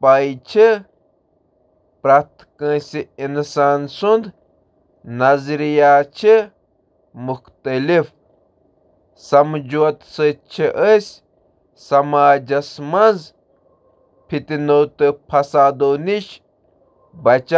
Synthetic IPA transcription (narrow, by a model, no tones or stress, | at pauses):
paːjt͡ʃʰi | pɾat̪kə̃ːsʲiinsaːnsund̪ | nɐzɾijaːt͡ʃʰi | muxt̪ɐlif | sɐmd͡ʒuɐt̪sət͡ʃʰiʔəsʲ | sɐmaːd͡ʒɐsmɐnz | pʰit̪inowt̪ɨpʰɐsaːd̪oːniʃ | bɐt͡ʃa